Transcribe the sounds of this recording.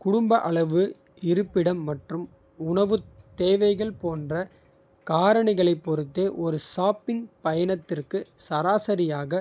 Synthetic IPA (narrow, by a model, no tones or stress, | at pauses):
kʊɽʊmbɐʔɐɭɐʋɯ | ɪɾɯpːɪɽɐmːɐʈrɯm | ʊɳɐʋɯt̪ːeːʋɐɪɣɐɭpoːndrɐ | kaːɾɐɳɪɣɐɭɐɪpːɔɾɯt̪ːeːʔɔɾɯʂaːpɪŋpɐjɐnɐt̪ːɪrkɯsɐɾaːsɐɾɪjaːɣɐ